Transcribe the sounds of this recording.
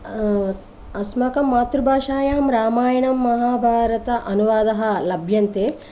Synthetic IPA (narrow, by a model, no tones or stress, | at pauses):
ɐsmɐkɐmːaːt̪ɾubʱaːʃaːjaːmɾaːmaːjɐɳɐmːɐɦaːbʱaːɾɐt̪ɐʔɐnuʋaːd̪ɐɦɐ̆lɐbʱjɐnt̪eː